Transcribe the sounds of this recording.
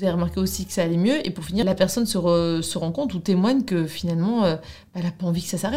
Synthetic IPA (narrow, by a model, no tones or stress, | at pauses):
zaeʁəmaʁkʲeosikə̥saːlɛmjøepuʁfinilapɛʁsɔnsəʁəsəʁɑ̃kɔ̃t̪χut̪emwaɲkəfinalmɑ̃ø | b̥aɛlapaɑ̃vikə̥sasaʁɛt̪